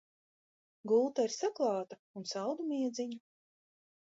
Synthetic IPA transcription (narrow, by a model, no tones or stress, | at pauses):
ɡulˠt̪aiɾsaklˠɑːt̪aunsalˠd̪umiɛd̪zʲiɲu